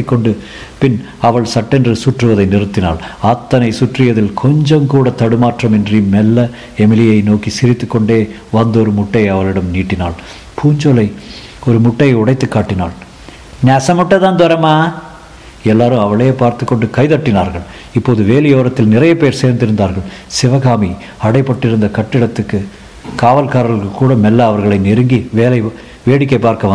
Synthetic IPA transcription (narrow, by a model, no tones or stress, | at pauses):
ikːɔɳɖɯ | pɪn | ɐʋɐɭsɐʈːɛndrɯsuʈrɯʋɐðɐɪnɪrɯt̪ːɪna̰ːlɐt̪ːɐnɐɪsuʈrɪjɐðɪlkʰɔɲd͡ʒɐmkuːɽɐt̪ɐɽɯmaːʈrɐmɛndrimːɛlːɐ | ɛmɪlɪjɐɪnoːkisɪɾɪt̪ːɯkːɔɳɖeː | ʋɐnd̪ɔɾɯmʊʈːɐɪɐʋɐɭɪɽɐmniːʈːɪna̰ːɭ | pʰuːɲd͡ʒolɐɪ | ɔɾɯmʊʈːɐɪʊɽɐɪt̪ːɯkːaːʈːɪna̰ːɭ | nɛːsɐmʊʈːɐðãːnd̪ɔɾɐmaː | ɛlːaːɾɯ̃ɐʋɐɭejpaːɾt̪ɯkːɔɳɖɯkɐɪðɐʈːɪnaːɾɣɐɭ | ɪpːoːðɯʋeːlɪjoːɾɐt̪ːɪlnɪrɐjɐpeːɾseːɾnd̪ɪɾɯnd̪aːɾɣɐɭsɪʋɐɣaːmi | ɐɽɐɪpːɐʈːɪɾɯnd̪ɐkɐʈːɪɽɐt̪ːɯkːɯ | kaːʋɐlkaːɾɐlɯkːɯkːuːɽɐmɛlːɐɐʋɐɾɣɐɭɐɪnɪɾɯŋɡiʋeːlɐɪ | ʋeːɽɪkːɐɪpːaːɾkɐʋɐ